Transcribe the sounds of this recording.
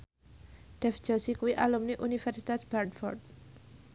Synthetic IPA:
d̥ɛfd͡ʒ̥ɔsikuwiʔalumniʔunifɛrsi̥t̪asb̥ɛrd̪fɔ̰rd̪̚

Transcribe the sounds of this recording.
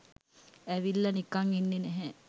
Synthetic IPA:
æʋilːɐnikaŋinːenɛɦɛ

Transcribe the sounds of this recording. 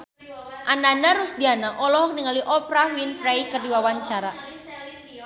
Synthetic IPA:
ʔananaɾusdianaʔɔlɔɦɔk̚niŋaliʔɔpɾaɦwinfɾajkərdiwawaɲt͡ʃaɾa

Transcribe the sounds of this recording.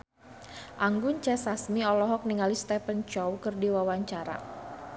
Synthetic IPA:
ʔaŋɡʊnt͡ʃɛsasmiɔlɔɦɔk̚niŋalist̪ɛpənt͡ʃɔwkɨrdiwawaɲt͡ʃaɾa̰

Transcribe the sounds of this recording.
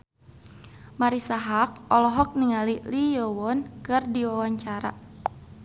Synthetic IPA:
maɾisaɦak̚ʔɔlɔɦɔk̚niŋalilijɔwɔnkɨrdiwawaɲt͡ʃaɾa̰

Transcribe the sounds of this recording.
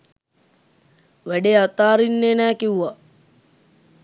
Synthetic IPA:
ʋæɖeat̪aːɾinːeːnæːkiuʋa

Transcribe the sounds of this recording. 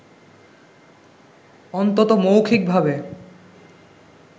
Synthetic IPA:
ɔnt̪ot̪omowkʰik̚bʱabe

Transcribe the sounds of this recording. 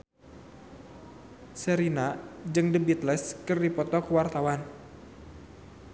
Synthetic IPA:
səɾinad͡ʒɨŋdəbit̪lɛskɨrdipɔt̪ɔkuwart̪awan

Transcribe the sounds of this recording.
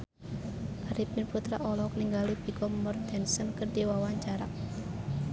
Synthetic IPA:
ʔaɾip̚irput̪ɾa̰ʔɔlɔk̚niŋɡalipikɔmmɔrt̪ɛnsənkərdiwawaɲt͡ʃaɾa̰

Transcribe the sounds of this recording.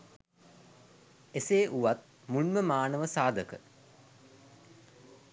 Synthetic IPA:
eseːʔuʋat̪̚ | mulməmaːnəʋəsaːd̪ʱəkə̰

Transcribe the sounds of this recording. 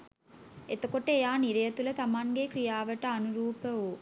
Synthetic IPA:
et̪əkoʈəejaːniɾɐjɐt̪ulət̪amaŋɡekɾijaːʋəʈəɐnuɾuːpəoː

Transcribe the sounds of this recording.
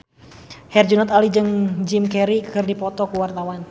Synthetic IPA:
hɛrd͡ʒunɔt̪alid͡ʒɨŋd͡ʒimkɛɾikɨrdipɔt̪ɔkuwart̪awan

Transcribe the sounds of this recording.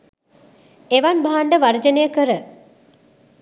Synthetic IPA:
eʋanbaɦaɳɖəʋard͡ʒənəjəkəɾə

